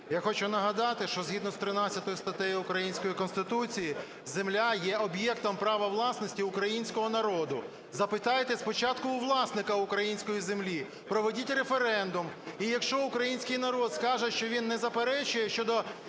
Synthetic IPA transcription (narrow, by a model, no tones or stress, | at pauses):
jaxɔt͡ʃʊnɐɦɐd̪ɑt̪ɪʃt͡ʃɔzɦid̪nɔst̪ɾɪnɑt͡sʲːɐt̪ɔjʊst̪ɐt̪ɛjʊkɾɐjinʲsʲkɔjikɔnst̪ɪt̪ut͡sʲiji | zemlʲajɛʔɔbjɛkt̪ɔmpɾɑʋɐʋlˠɑsnɔsʲtʲiʊkɾɐjinʲsʲkɔɦɔnɐɾɔd̪ʊ | zɐpɪt̪ɑjet̪ɛspɔt͡ʃɑt̪kʊʊʋlˠɑsnɪkɐʊkɾɐjinʲsʲkɔjizemlʲi | pɾɔʋɔdʲitʲrefeɾɛnd̪ʊmijɐkʃt͡ʃɔʊkɾɐjinʲsʲkɪjnɐɾɔd̪skɑʒɛʃt͡ʃɔʋʲinːɛzɐpeɾɛt͡ʃʊjɛʃt͡ʃɔd̪ɔ